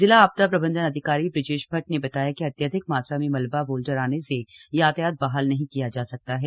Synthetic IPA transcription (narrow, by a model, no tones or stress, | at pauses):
zɪlaaːb̚t̪apɾɐbə̃nd̪ənɐd̪ʱɪkaːɾibɾɪʈɪʃbʱɐʈ̚nebɐt̪aːjakiɐt̪jaːd̪ʱɪk̚maːt̪ɾamẽmɐlbaboːlɖəɾaːnesejaːt̪jaːt̪̚baːɦaːlnɐɦĩkijad͡ʒaːsɐk̚t̪aɦɛː